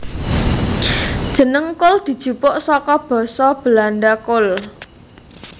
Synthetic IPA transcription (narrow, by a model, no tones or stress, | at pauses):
d̥ʒ̥ə̤nəŋkʊld̪̥i̤d̥ʒ̥ṳpʊʔsɔkɔb̥ɔ̤sɔb̥əlanɖakʊl